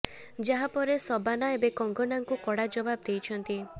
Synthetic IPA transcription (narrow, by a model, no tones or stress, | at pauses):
d͡ʒaɦapɔɾesɔbanaebekɔŋɡɔnaŋkukɔɽad͡ʒɔbab̚d̪ejt͡ʃʰɔnt̪i